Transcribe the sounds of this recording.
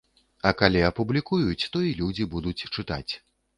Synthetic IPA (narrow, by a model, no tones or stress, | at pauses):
ɐkalʲiɐpublʲikujut͡sʲt̪ɔilʲud͡zʲibud̪ut͡sʲt͡ʂɨt̪a̰t͡sʲ